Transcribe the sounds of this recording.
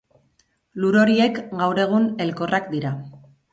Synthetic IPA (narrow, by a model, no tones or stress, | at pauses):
luɾo̞ɾie̞kɡawɾe̞ɣ̞une̞lko̞rakd̪iɾa